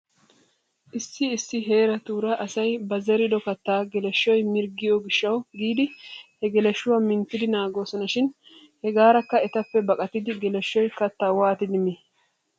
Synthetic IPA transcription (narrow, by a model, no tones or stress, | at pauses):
ʔɪsːɪːsːɪɦe̞ːɾɐt̪uːɾɐʔɐsɐjbɐzɛɾɪd̪ɔkɐt̪ːaːɡɛlɛʃːɔjmɪɾɡɪjɔɡɪʃːɐwɡiːd̪ɪhɛɡɛlɛʃːʊwɐmɪnt̪ːɪd̪ɪnaːɡo̞ːsɔnɐʃɪn | hɛɡaːɾɐkːɐɛt̪ɐpːɛbɐkʼɐt̪ɪd̪ɪɡɛlɛʃːɔjkɐt̪ːaːwaːt̪ɪd̪ɪmi